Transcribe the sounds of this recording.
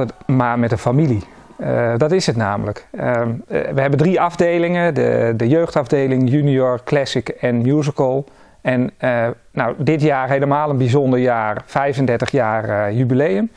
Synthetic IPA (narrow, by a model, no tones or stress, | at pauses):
ətmamɛtənfamili | dɑtɪsətna̰ːmələkəʋəɦɛbəndriɑvdeːlɪŋədə̰dəjøːxtɑvdeːlɪŋjynioɹklɛsɪkɛnmjuzəkəlˠ | ɛn | nawdɪtjaːɹɦeləmaːlˠənbizondəɹjaːrfɛjvəndɛɹtəχjaːrjybilejəm